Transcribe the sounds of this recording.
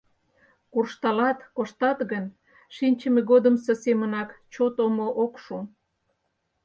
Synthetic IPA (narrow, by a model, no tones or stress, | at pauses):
kurʃt̪ɑlɑt̪koʃt̪ɑt̪ɣən | ʃinʲt͡ɕəmeɣod̪əmsə̆semənɑkt͡ɕot̪omoʔokʃu